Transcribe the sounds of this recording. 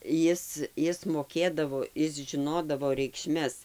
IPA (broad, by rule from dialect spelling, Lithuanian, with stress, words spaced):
ˈjɪs ˈjɪs moːˈkʲeːdɐʋoː ˈɪs ʒʲɪˈnoːdɐʋoː rʲɛɪkˈʃʲmʲɛs